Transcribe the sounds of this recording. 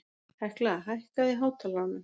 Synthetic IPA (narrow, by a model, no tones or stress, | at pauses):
hajhklaaɦajhkaðiɦaːwt̪ʰalanʏm